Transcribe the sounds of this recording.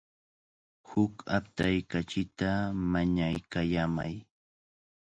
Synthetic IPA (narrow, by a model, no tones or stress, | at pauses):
hʊkap̚t̪ajkat͡ʃɪt̪amaɲajkajama̰j